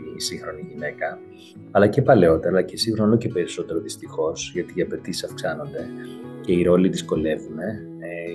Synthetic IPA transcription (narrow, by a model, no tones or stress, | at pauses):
siŋxɾo̞niʝine̞kɐ | ɐlɐcepɐle̞o̞t̪eɾɾɐɐcesiŋɾonoce̞pe̞ɾiso̞t̪e̞ɾo̞ðist̪ixo̞sʝɐt̪iːɐpe̞t̪isesɐfksɐno̞nd̪e̞ce̞iɾo̞liðisko̞le̞vune̞